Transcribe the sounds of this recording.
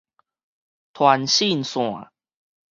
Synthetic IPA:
t̪ʰwa˨˦nɕi˥˧˨nsw̃ã̰˨˩

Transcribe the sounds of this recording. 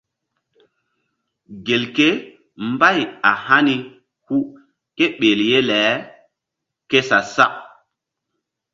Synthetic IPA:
ɡe˨lke˦ | mba˦˨ja˨ha˦ni˨ | hu˦ | ke˦ɓe˨lje˦lɛ˨˦ | ke˦sa˨sa˦ʔ

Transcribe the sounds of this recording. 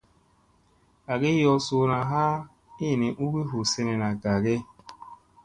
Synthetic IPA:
a˨ɡe˦jɔ˧so˧na˨ɦa˦ | i˦˨nĩ˨ʔu˦ɡi˦ɦu˨sɛ˦nɛ˨na˨ɡa˨ɡe˦

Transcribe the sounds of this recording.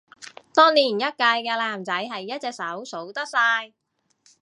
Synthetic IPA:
t̪ɔː˥ŋniː˨˩njɐ˥t̚kaː˧jkɛː˧laː˨˩mt͡sɐ˨˥jɦɐ˨jːɐ˥t̚t͡sɛː˧k̚sɐ˨˥wso˨˥wt̪ɐ˥k̚saː˧j

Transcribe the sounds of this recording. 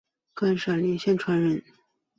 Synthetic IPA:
ka˥nʂa˨˩li˧˥ŋɕjɛ˥˩nʈ͡ʂʰwa˧˥nɻə˧˥n

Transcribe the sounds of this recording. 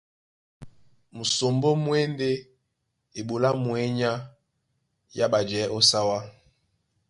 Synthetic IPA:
mu˨so˨mbo˦mwe˦nde˦ | e˨ɓo˨la˦mwɛ˦ɲa˦ | ja˦ɓa˨d͡ʒɛ˨˦ʔo˦sa˦wa˦

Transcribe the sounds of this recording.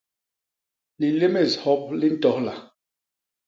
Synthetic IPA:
li˨le˦me˨shɔ˦p̚li˦n̩˦tɔ˨˦hla˨

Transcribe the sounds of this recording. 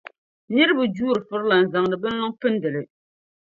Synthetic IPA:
nɪ˦ɾɨ˦bʊ˨d͡ʒuː˦ɾɨ˨fʊ˦ɾla˨n̩˨za˨ŋdɨ˨bɨ˦nlɔ˦ŋfɨ˦ndɨ˨lɨ˨

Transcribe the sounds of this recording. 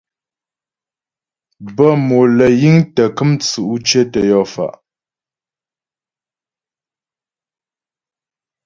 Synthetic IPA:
bə˦˨mo˨lə˨ji˦ŋtə˨kɨ˦mt͡su˨ʔu˦t͡ʃə˦tə˨jɔ˦˨fa̰˨ʔ

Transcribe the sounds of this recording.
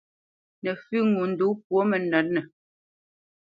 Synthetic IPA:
nɛ˨fʉ˦˨ŋu˨n̩˨du˨˦pwo˦mɛ˨nɛ˨˦t̚nɛ˨

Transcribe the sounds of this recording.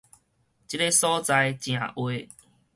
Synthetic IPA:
t͡ɕi˦˥te˦sɔ˦t͡sa˧jt͡ɕj̃ã̰˨˩ʔwe˧

